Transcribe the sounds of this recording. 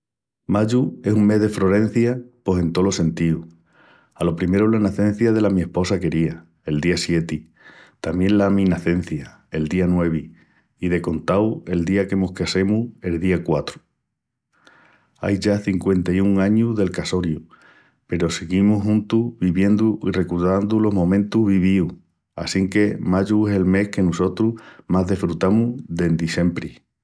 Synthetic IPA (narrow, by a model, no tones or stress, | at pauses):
maʎue̞suŋme̞ɦðe̞fɾo̞ɾẽ̞n̟θjapo̞se̞nt̪o̞lo̞se̞nt̪iu | alo̞pɾime̞ɾolanaθẽ̞n̟θjaðe̞lamie̞hpo̞sake̞ɾia | e̞ld̪iasje̞t̪i | t̪amjẽ̞nlamĩnaθe̞n̟θja | e̞ld̪ianwe̞β̞i | iðe̞ko̞nt̪awe̞ld̪iake̞mohkese̞mue̞lðiakwat̪ɾu̥ | a̰jʝaθiŋkwe̞nt̪ajuŋaɲuðe̞lkaso̞ɾju | pe̞ɾo̞seɣimuɦũnt̪uβiβje̞nd̪uire̞kuɾðand̪ulo̞ɦmõ̞mẽnt̪uɦβiβiu | a̰siŋke̞maʎuese̞lme̞hke̞nuso̞t̪ɾumaɦðefɾut̪amuðe̞nd̪ise̞mpɾi